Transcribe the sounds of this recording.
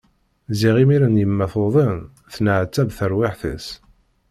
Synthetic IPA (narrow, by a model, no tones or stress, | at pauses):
ziʁimiɾænjəmːæθoðˤən | θnəʕt͡sːæbθəɾwɪħθə̰s